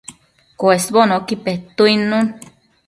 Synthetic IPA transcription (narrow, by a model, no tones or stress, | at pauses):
koesβonokipeht̪uinun